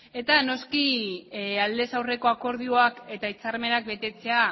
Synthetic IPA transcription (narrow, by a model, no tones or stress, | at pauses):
e̞t̪ano̞ski | ald̪e̞sawre̞ko̞ako̞ɾð̞ioake̞t̪ait͡saɾme̞nak̚be̞t̪e̞t͡se̞a